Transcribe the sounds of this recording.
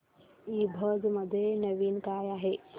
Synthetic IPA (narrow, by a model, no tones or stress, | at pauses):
ibʱəd͡zməd̪ʱːjenəʋiːnkajaɦe